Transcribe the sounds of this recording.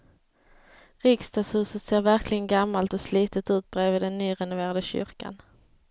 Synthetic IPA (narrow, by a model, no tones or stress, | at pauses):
ɾɪkst̪ɑːshʉ̟ːsət̪seːɾvæɾklɪɡənɡamːalt̪ɔsliːt̪ət̪ʉ̟ːt̪̚bɾeːvɪd̪ɛnːyːɾɛnʊveːɾad̪əɕʏ̰ɾka̰n